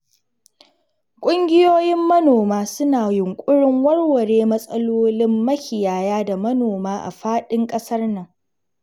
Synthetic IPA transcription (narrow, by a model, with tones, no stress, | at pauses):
kʷʼʊ˦ŋɡʲɪ˦joː˦jɪ˦mːɐ˦noː˨maː˦sʊ˦naː˨jʊ˨ŋkʷʼʊ˦ɽɪ˦ŋwɐ˦rwɐ˨ɽeː˦mɐ˦sʼɐ˦loː˦lɪ˦mːɐ˦kʲɪ˨jaː˨jaː˦da˨mɐ˦noː˨maː˦ʔa̰˨ɸaː˦ɗɪ˦ŋkʼɐ˦sɐ˦rnɐ˨ŋ